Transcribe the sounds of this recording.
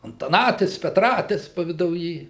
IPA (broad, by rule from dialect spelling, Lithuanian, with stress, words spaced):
ɐntɐˈnɑːtʲɪs pʲɛtˈrɑːtʲɪs pɐʋʲɪdɐʊˈjiː